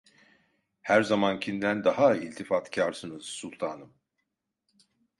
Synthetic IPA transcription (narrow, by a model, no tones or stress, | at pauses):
hæɾzamancʰind̪ænd̪aɦailʲt̪ʰifat̪cʰaɾsɯnɯz̥sulˠt̪ʰaːnɯm